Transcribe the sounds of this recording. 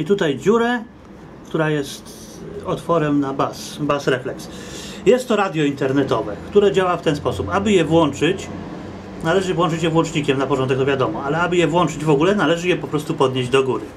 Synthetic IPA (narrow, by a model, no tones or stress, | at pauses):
it̪ut̪ajd͡ʑuɾɛ | kt̪uɾajɛst̪ | ɔt̪fɔɾɛmnabasbasɾɛflɛksjɛst̪ːɔɾad̪ʲjɔint̪ɛɾnɛt̪ɔvɛkt̪uɾɛd͡ʑawaft̪ɛnspɔsupabɘjɛvwɔnt͡ʂɘt͡ɕ | nalɛʐɘvwɔnt͡ʂɘt͡ɕjɛvwɔnt͡ʂɲikʲɛmnapɔʐɔnd̪ɛkt̪ɔvʲjad̪ɔmɔalɛabɘjɛvwɔnt͡ʂɘd͡ʑvɔɡulɛnalɛʐɘjɛpɔpɾɔst̪upɔd̪ɲeʑd͡ʑd̪ɔɡuɾɘ